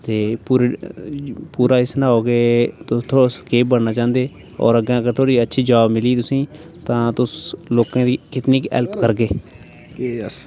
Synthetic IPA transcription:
t̪eːpuːɾ | puːɾaːɪsnãːoːɡeːt̪ʊst̪ʰoːskeːpbəɽnaːt͡ʃãːnd̪eː | ɔ̰ːɾəɡãːəɡəɾt̪ʰoːɽiːətːʃʰiːd͡ʒaːbmɪliːt̪ʊsĩː | t̪ãːt̪ʊsloːkãːd̪iːkɪt̪niːkɛ̰lpkəɾɡeː | s

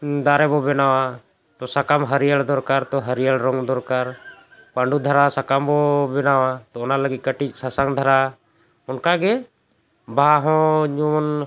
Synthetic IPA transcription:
d̪aɾɛbɔbɛnawa | t̪ɔsakamɦəɾijəɭd̪ɔɾkaɾt̪ɔɦəɾijəɭɾɔŋɡd̪ɔɾkaɾpaɳɖud̪ʱəɾasakambɔbɛnawat̪ɔːnaləɡit̪̚kəʈit͡ʃ̚sasaŋd̪ʱəɾa | ɔnkaɡɛ | baɦɔ̃d͡ʒuɔn

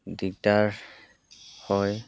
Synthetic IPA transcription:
diktaɹ | hɔj

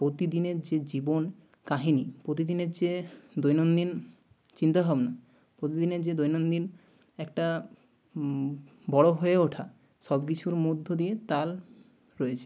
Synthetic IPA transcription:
pɾot̪id̪ineɾd͡ʑed͡ʑibon | kaɦinipɾot̪id̪ineɾd͡ʑed̪ojnond̪in | t͡ɕint̪abʱabna | pɾot̪id̪ineɾd͡ʑed̪ojnond̪in | ɛkʈa | bɔɽoɦoeoʈʰa | ʃɔbk̬it͡ɕʰuɾmod̪ʱːod̪iet̪al | ɾɔet͡ɕʰe̥

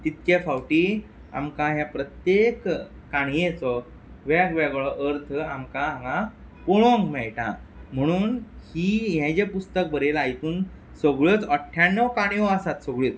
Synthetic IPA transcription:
t̪it̪kefawʈiː | a̰mkaɦjapɾət̪jekː | aɳ̃jet͡sɔ | ʋakʋɛɡɭɔʔəɾt̪ʰamkaãɡa | poɽõŋɡmɛɭʈa̰m̤əɽ̃uːnhiːɦɛ̃d͡ʑepust̪ək̚bʱəɾelajt̪uːn | səɡɭət͡səʈʰjanːəwkaɽ̃ijɔasat̪səɡɭet͡s

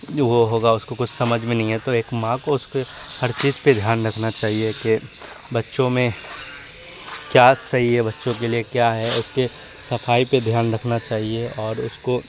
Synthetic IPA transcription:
ʋoɦoːɡaʊskokʊt͡ʃʰsɐməd͡ʒʱmẽnɐɦĩɦɛt̪oeːkmãːkoʊske | hɐɾt͡ʃiːzped̪ʱjaːnɾɐkʰnat͡ʃaːɦieke | bɐtːʃõmẽ | kjaːsɐɦiɦɛbɐtːʃõk̬eliekjaːɦɛʊske | sɐfaːiped̪ʱjaːnɾɐkʰnat͡ʃaːɦieɔːɾʊsko

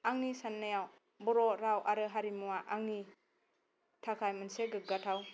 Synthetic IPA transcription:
aŋnisanːajaw | bɔɾɔɾawʔaɾɯɦaɾimuwaʔaŋni | tʰakʰajmɯnseɡɯɡatʰaw

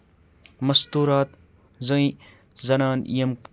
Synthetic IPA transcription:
mɐst̪uːɾaːt̪ | zɐĩ | zɐnaːnḭjem

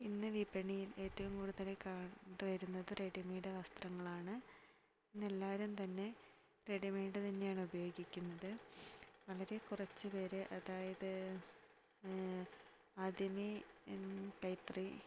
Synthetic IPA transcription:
inːɨʋibɐɳijile̞ːtːɐʋumkuːɽuðɐle̞kːaːɳɖɨʋɐɾunːɐðɨreɖimijuɽe̞ʋɐst̪rɐŋːɐɭaːɳɨ | inːelːaːʋɐɾumt̪ɐnːe̞ | re̞ɖimejɖɨt̪ɐnːe̞jaːɳɨubɐjo̞ːɡikʲːunːɐðɨ | ʋɐɭɐɾe̞kurɐt͡ɕːɨpeːɾeʔɐðaːjɐðɨ | aːd̪imi | kɐjt̪ri

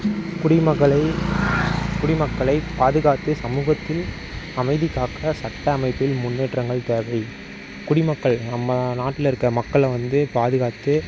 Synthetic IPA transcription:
kʊɽɪmɐɣɐɭɐɪ | kʊɽɪmɐkːɐɭɐɪpaːðɯɣaːt̪ːɯsɐmuːɣɐt̪ːɪl | ɐmɐɪðɪkːaːkɾɐsɐʈːɐːmɐɪpːɪlmʊnːeːʈrɐŋɡɐɭt̪eːʋɐɪ | kʊɽɪmɐkːɐɭnɐmːɐnaːʈːɪlɪɾɯkːɐmɐkːɐɭʋɐnd̪ɯpaːðɯɣaːt̪ɯ

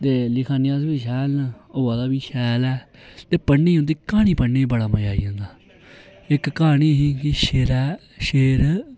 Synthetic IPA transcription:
t̪eːlɪkʰaːnɪjaːsbiːʃɛːlnaoːaːd̪aːbiːʃɛːlɛː | t̪eːpəɳːiːɦõnd̪iːkaːñiːpəɳːeːbəɽaːməd͡ʒaːḭːɦə̃ːnd̪aː | ɪkːaːɳ̃iːɦĩːkiʃeːɾɛː | ʃeːɾ

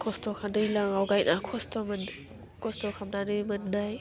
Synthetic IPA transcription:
kʰɔstɔkʰadɯjlaŋawɡajnʔakʰɔstɔmn | kʰɔstɔkʰamnadɯmɯnːaj

